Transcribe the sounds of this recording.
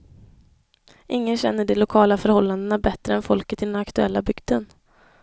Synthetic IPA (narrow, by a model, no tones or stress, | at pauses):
ʔɪŋːənɕɛ̰nːəɖɛlʊkʰɑːlafœɾhɔlːand̪ənabɛt̪ːɾəɛnfɔlkət̪ɪd̪ɛnakt̪ɵɛ̰lːabʏɡ̥d̪ən